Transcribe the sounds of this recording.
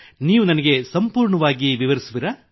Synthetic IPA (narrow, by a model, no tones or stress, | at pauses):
niːʋunɐnɐɡe̞sɐmpuːɾɳɐʋaːɡiʋiʋɐɾisuʋiɾa